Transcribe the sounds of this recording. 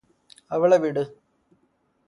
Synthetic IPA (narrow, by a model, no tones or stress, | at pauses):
ɐʋiɭeʋiɽɨ